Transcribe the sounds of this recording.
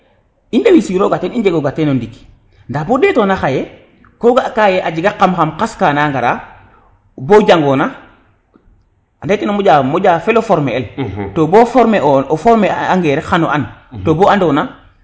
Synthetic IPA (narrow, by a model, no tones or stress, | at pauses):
indewisiɾoɡateniɲd͡ʒeɡoɡatenondiki̥ | ndabodetonaxaje | koɡakajeʔad͡ʒiɡaqːamxamqaskanaŋɡaɾa | boɟaŋɡona | andetenomoɟamoɟaːfelofoɾmeeltobofoɾmeoofoɾmeaŋɡeːɾexanoʔanttoboandona